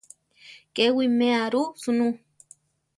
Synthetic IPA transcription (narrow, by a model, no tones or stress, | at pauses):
kewimeaɾusunu